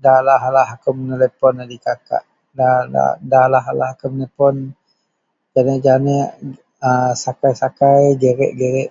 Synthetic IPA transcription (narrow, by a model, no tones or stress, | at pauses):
dalaɦalaɦakowmənəlepɔnadikaka̰ʔ | dala̰dalaɦala̰ɦakomənəpɔn | d͡ʒanəʔd͡ʒanɛʔ | asakajsakajɡəɾɛ̰ʔɡəɾɛʔ